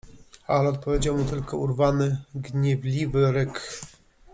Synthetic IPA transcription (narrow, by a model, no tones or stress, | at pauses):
alɛɔt̪̚pɔvʲjed͡ʑawmut̪ɘlkɔuɾvanɘɡɲɛvlʲivɘɾɘk